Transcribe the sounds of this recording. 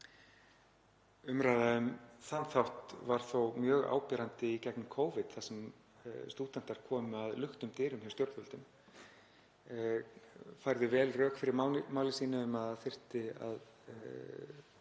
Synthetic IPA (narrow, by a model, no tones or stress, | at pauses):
ʏmɾajðaʏmθanːθawht̪vaɾ̥θowmjœːɣa̰ːwpɛːɾant̪ɪicɛknɪmkʰoːwvɪt̪θasɛm | st̪uːt̪an̥t̪aɾ̥kʰɔːmʏaðlʏxt̪ʏmt̪ɪːɾʏmçɛst̪jowɾt̪vœlt̪ʏm | fajɾðɪvɛːlrœːkfɪɾɪɾmaw̪maːwlɪsiːnɪʏmaðθɪr̥t̪ɪa̰ð